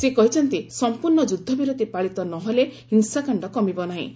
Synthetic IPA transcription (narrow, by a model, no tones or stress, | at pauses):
sekɔɦit͡ʃʰɔnt̪isɔmpuɾɳɔd͡ʒud̪ʱːɔbiɾod̪ipaɭit̪ɔnɔɦole | iŋsakaɳɖɔkɔmibɔnaɦḭ̃